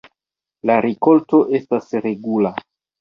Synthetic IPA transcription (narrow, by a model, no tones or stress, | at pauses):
laɾiko̞lto̞ʔe̞stasɾe̞ɡula